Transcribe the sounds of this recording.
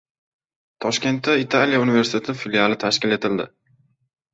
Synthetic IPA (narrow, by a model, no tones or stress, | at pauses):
t̪ʰɒʃkʲe̞nt̪ʰːait̪ʰalijaunivesɪ̥t̪ʰet̪ʰɪfilialɪt̪ʰaʃkʲɪle̞t̪ʰɪld̪ɪ̰